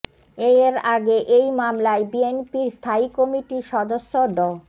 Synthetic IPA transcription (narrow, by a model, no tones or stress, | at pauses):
eɾaɡeʔejmamlaebienpiɾst̪ʰaikɔmiʈiʃɔd̪osːod̪ɔ